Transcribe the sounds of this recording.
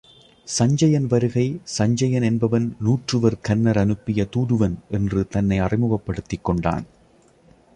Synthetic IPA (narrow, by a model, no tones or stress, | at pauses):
sɐɲd͡ʒɐjɐnʋɐɾɯɣɐɪsɐɲd͡ʒɐjɐnɛnbɐʋɐnnuːʈrɯʋɐɾkɐnːɐɾɐnɯpːɪjɐt̪uːɾɯʋɐnʔɛndrɯt̪ɐnːɐɪɐrɪmɯɣɐpːɐɽɯt̪ːɪkːɔɳɖa̰ːn